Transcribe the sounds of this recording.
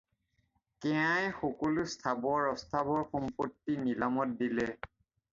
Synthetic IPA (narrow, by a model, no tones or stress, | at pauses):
kɛajxokolustʰabɔaɹɔstʰabɔɹxɔmpotːinilamɔt̚dilɛ